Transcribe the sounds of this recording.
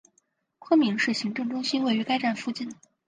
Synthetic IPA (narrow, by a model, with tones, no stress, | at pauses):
kʰwə˥nmi˧˥ŋʂɻ̩˥˩ɕi˧˥ŋʈ͡ʂɤ˥˩ŋʈ͡ʂʊ˥ŋɕi˥nwe˥˩ɪy˧˥ka˥ɪʈ͡ʂa˥˩nfu˥˧t͡ɕi˥˩n